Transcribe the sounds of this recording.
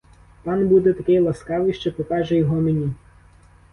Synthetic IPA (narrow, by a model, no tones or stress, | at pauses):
t̪ɑnbud̪ɛt̪ɐkɪjlˠɐskɑʋɪjʃt͡ʃɔpɔkɑʒɛjɔɦɔmenʲi